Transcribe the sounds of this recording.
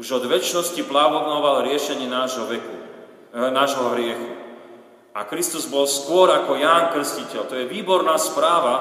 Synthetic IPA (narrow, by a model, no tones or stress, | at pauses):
uʒɔd̪ʋɛt͡ʃnɔsciplaʋɔd̪nɔʋalɾɪɛʃɛɲɪɛnaʒɔɛku | naʒɦɔɦɾɪɛxu | a̰kɾist̪uzbɔlskʊɔɾakɔjaːnkr̩scicɛʎt̪ɔjɛʋiːbɔɾnaːspɾaːʋa